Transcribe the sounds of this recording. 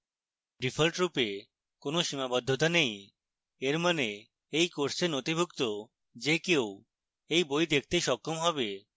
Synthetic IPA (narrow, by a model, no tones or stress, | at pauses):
ɖifʰolʈɾupe | konoʃimabɔd̪ʱːot̪anej | eɾmane | ejkoɾsenot̪ibʱukt̪o | d͡ʑekew | ejbojd̪ek̚ʰt̪eʃɔkʰːomɦɔbe